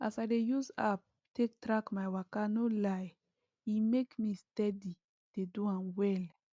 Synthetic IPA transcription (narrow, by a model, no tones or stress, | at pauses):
ʔa̰sadejusap̚ | tek̚tɾakmajwakanolaj | imekmistɛdi | d̥eduãnwɛl